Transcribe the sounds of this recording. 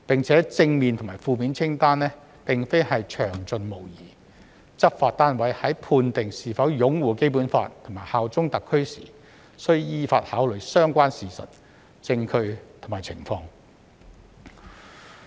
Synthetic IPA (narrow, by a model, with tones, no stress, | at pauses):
pɪ˨ŋt͡sʰɛː˨˥t͡sɪ˧ŋmiː˨nt̪ʰʊ˨˩maː˨˩fuː˨˧miː˨˥nt͡sʰɪ˥ŋt̪aː˥nlɛː˥ | pɪ˨ŋfe˥jhɐ˨jt͡ʃʰœː˨˩ŋt͡sɵ˧nmo˨˩wjiː˨˩ | t͡sɐ˥p̚faː˧t̚t̪aː˥nwɐ˨˥jhɐ˨˥jpʰuː˧nt̪ɪ˨ŋsiː˨˩fɐ˨˥wjʊ˨˥ŋwuː˨ke˥jp̬uː˨˥nfa̰ː˧tt̪ʰʊ˨˩ŋmaː˨˩jhaː˨wt͡sʊ˥ŋt̪ɐ˨kʰːɵ˥ɥsḭː˨˩ | sɵ˥ɥjiː˥faː˧t̚haː˨˥wlɵ˨ɥsœː˥ŋkʷaː˥nsiː˨˩sɐ̰˨t̚ | t͡sɪ˧ŋkʰɵ˧ɥt̪ʰmaː˨˩jt͡sʰɪ˨˩ŋfɔː˧ŋ